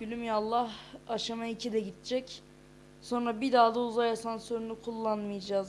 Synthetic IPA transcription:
ylʲymjalˠːaɦaʃamaicʰid̪ɛɟit̪̚t͡ʃʰɛc | so̞nɾabid̪aːd̪auzajasansøɾynykʰulˠːanmɯjad͡ʒaːz

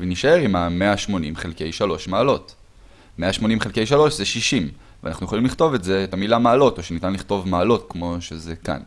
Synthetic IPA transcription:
veniʃae̞ʁimameaʃmo̞nimχelke̞jʃalo̞ʃmaːlo̞t | me̞aʃmo̞nimχelke̞jʃalo̞ʃzeʃiʃim | vḛanaχnujeχolimliχt̪o̞vetze̞tamilamaːlo̞to̞ʃenitanliχto̞vmaːlo̞tkmo̞ʃezeka̰n

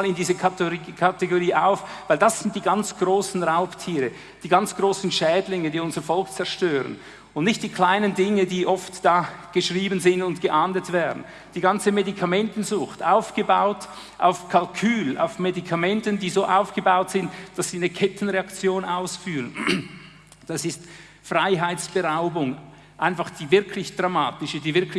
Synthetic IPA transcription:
lɪndiːzəkːkʰateɡoʁiːʔaʊfvaɪldasz̥ɪnt̚d̥iːɡant͡sɡ̥ʁoːsn̩ʁaʊptʰiːʁə | d̥iːɡɑnt͡sɡ̥ʁoːsn̩ʃɛːdlɪŋədiːʊnzəfɔlkt͡sɛʁʃtøːʁə̰n | ʊnnɪçt̚d̥iːkʰl̥aɪnəndɪŋədiːʔɔftd̥aːɡ̥əʃʁiːbənzɪndʊntɡ̥əʔaːndətv̥ɛːɐdn̩ | d̥iːɡɑnt͡səmedikʰɑmɛntn̩zʊxtaʊfɡ̥əba̰ʊt | ʔa̰ʊfkʰɑlkʰyːla̰ʊfmedikʰɑmɛntəndiːzoːʔaʊfɡ̥əbaʊtz̥ɪntd̥asz̥iːnəkʰɛtn̩ʁeɑkt͡sjoːnaʊsfyːʁən | d̥ɑsɪst | fʁaɪɦaɪtt͡sb̥əʁaʊbʊŋ | ʔaɪnfɑχd̥iːvɪɐkʰlɪçd̥ʁamaːtɪʃədiːvɪɐkʰlɪ

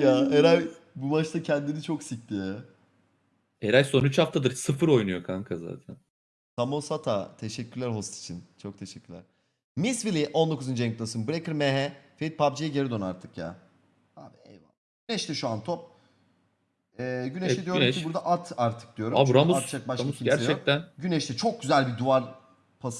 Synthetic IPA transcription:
jaːeɾaj | bubaʃt̪acʰɛnd̪init͡ʃʰo̞ksic̚t̪ijɛ | eɾajsonyt͡ʃhaft̪ʰad̪ɯɾsɯfɯɾo̞jnujo̞kʰaŋkʰaza̰ːt̪ʰæn | t̪ʰamosat̪ʰat̪ʰeʃɛcʰːyɾlʲæɾɦo̞st̪ʰi̥t͡ʃʰint͡ʃʰo̞k̚t̪ʰeʃɛcʰʲːyɾlʲæɾ̥ | misvilʲiʔo̞nd̪o̞kʰuzɯnd͡ʒenklˠasɯnbuɾekɯɾmeɦɛfeit̪̚pʰabd͡ʒijɛɟeɾid̪onaɾt̪ʰɯkja̰ː | a̰ːbiḛjva̰ | ɟynɛʃt̪ʰɛʃuant̪ʰop̚ | ɛːɟynɛʃt̪ɛd̪ijomʰibuɾd̪aʔat̪ʰaɾt̪ʰɯ̥k̚d̪ijo̞ɾuabɾamuat̪t͡ʃak̚baʃiæɾt͡ʃɛk̚t̪ænɟynɛʃt̪ʰɛt͡ʃʰo̞k̚ɟyzælʲbid̪uaɾ | pʰas

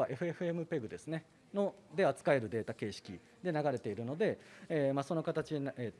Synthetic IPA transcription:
aʔe̞ɸɯ̟e̞ɸɯ̟e̞mɯ̟pe̞ɡɯ̟d̪e̞sɨne̞ | no̞d̪e̞at͡sɨ̥kae̞ɾɯ̟d̪e̞ːt̪ake̞ːɕi̥kʲi | d̪e̞naɡaɾe̞t̪e̞iɾɯ̟no̞d̪e̞emaso̞no̞kat̪at͡ɕine

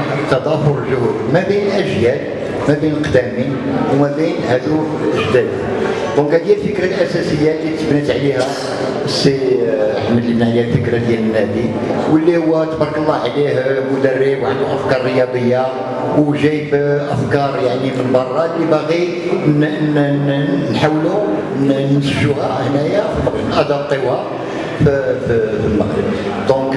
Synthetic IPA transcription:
t̪ːɑd̪ˤɑfoɾlʒəhəd̪mæbijnlʔəʒjæl | mæbijnəlqd̪æmin | wmæbinhæd̪u | ʔəʒd̪æd̪ | d̪ɔ̃khæd̪jælfəkɾælʔæsæsəjːalːit̪əbnət̪ʕlihæ | sːiəħməd̪linʕliælfəkɾad̪jæmənhæd̪i | wəlːihʊwːæt̪bɾˤkəlˤːɑʕlihmʊd̪ərːibwʕaluʔəfkɑɾˤrəjɑb̪əjːa | wʒæjbʔəfkɑɾˤjaʕnimənbɑrˤːɑlːibæɣi | nnnnħawlu | nnəsfʒuhæɾˤhnæjafəlmɑənʔæd̪ɑt̪ˤːiwhæ | fffəlmæ̰qɾə̰d̪ | d̪ɔ̃k

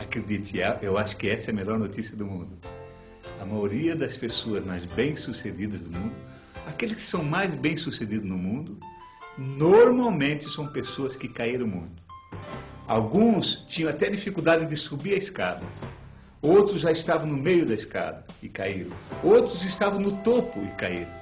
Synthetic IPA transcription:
akɾed̪it͡ʃ̪ɪɛʔewaʃʊ̥kɪɛsɐɛɐmeʎɔɾnot̪isiɐd̪ʊmũnd̪ʊ | ɐmajoɾiɐd̪ɐspesoɐzmajzbẽj̃sused̪id̪ɐzd̪ʊmũnd̪ʊ | akelɪskɪ̥sɐ̃w̃majzbẽj̃sused̪id̪ʊznʊmũnd̪ʊ | noɾmawmẽnt͡ʃ̪ɪsɐ̃w̃pesoɐskɪkaiɾɐ̃w̃mũj̃t̪ʊ̥ | a̰wɡũst͡ʃĩɲɐ̃w̃at̪ɛd̪ifikud̪ad̪ɪd̪ɪsubiɾɐɪskad̪ɐ | owt̪ɾʊzʒaɪst̪avɐ̃w̃nʊmejʊd̪ɐiska̰d̪ɐɪkaiɾɐ̃w̃owt̪ɾʊzɪst̪avɐ̃w̃nʊt̪opʊɪkaiɾ̃

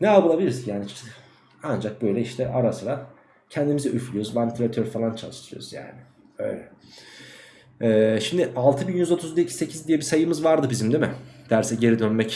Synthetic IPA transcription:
nɛabɯlˠabilʲiɾisjaːnit͡ʃʰ | and͡ʒak̚bø̞jlʲɛiʃt̪ʰɛʔaɾasɯɾa | cʰɛnd̪imizɛʔyflʲyjo̞ɾzmanit̪ʰlʲat̪ʰøɾfalˠant͡ʃʰalˠɯʃt̪ʰɯɾɯjo̰ṵz̥ja̰ːnɪ | ø̞̰jlʲɛ | ɛːʃimd̪ɪʔalˠt̪ʰɯbinjyzo̞t̪ʰuzd̪eicʰi̥se̞cʰizd̪ijɛbisajɯmɯzvaɾd̪ɯbizimd̪imɪd̪̥æɾsɛɟe̞ɾid̪ønmɛc

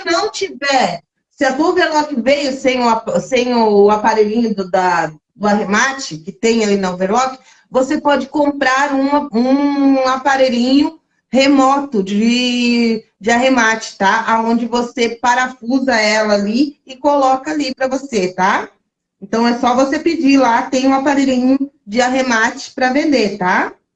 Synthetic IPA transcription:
snɐ̃w̃t͡ʃivɛ | sɪat̪uveɾlɔkɪvejʊsẽj̃ʊapsẽj̃ʊapaɾejɾĩɲʊd̪ʊd̪ɐ | d̪ʊaɦemat͡ʃɪkɪt̪ẽj̃alinɐveɾlɔkɪ̥ | vosepɔd͡ʒɪkõmpɾaɾũũapaɾejɾĩɲʊ | hemɔt̪ʊd͡ʒɪ | d͡ʒɪaɦemat͡ʃɪ̥t̪aʔaõnd͡ʒɪvosepaɾafuzɐɛlɐaliɪkolɔkɐalipɾɐvoset̪a | ẽnt̪ɐ̃w̃ɛsɔvosepid͡ʒilat̪ẽj̃ũapaɾejɾĩɲʊd͡ʒɪaɦemat͡ʃɪ̥pɾɐvẽnd̪et̪a

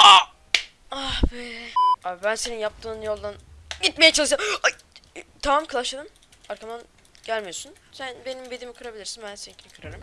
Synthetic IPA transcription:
a | avɛaːbibænse̞ninjap̚t̪ʰɯːnjo̞lˠd̪anɟit̪me̞jɛt͡ʃʰalˠɯʃa | t̪ʰamamkʰɯlˠaʃad̪ɯm | aɾkʰamd̪an | ɟ̥ælʲmijo̞sun | sænbe̞nimbed̪imikʰɯɾabilʲiɾsinbænsecʰinikʰɯɾaɾɯm

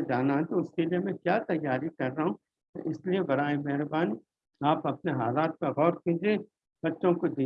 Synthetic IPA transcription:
d͡ʒaːnaɦɛ̃t̪oʊskeliemɛ̃kjaːt̪ɐjːaːɾikɐɾːɐɦṵ̃ | ʔɪsliebɐɾaːemɛɦɾbaːni | aːpɐpneɦaːlaːt̪̚peɣɔːɾkĩːd͡ʒie | bɐtːʃõkod̪iː

